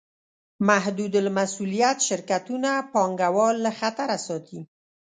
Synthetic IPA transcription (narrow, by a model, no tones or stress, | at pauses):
maɦd̪ud̪lmasulijat̪ʃɪɾkat̪unapɑŋɡawɑlːaxat̪aɾasɑt̪ʰi